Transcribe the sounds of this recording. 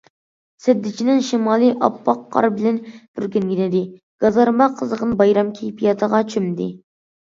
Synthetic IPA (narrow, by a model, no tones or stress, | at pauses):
sɛd̪ːɪt͡ʃʰinɪŋʃimɑːlˠɨʔɑ̰pʰːɑqʰːɑ̰ɾbɪlɛnb̥yɾɡʲeŋɡʲɪnɪd̪ɪ | ɡ̥ɑzɑɾmɑqʰəzəʁənbɑjɾɑmkʲʰejpʰijɑt̪ʰəʁɑt͡ʃʰymd̪ɪ